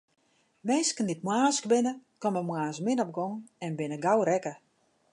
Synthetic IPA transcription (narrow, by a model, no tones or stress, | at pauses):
mɛːskəndit̚mwaːsk̚bɪnəkɔməmwaːsmɪnɔp̚ɡɔŋɛnbɪnəɡawɾɛkə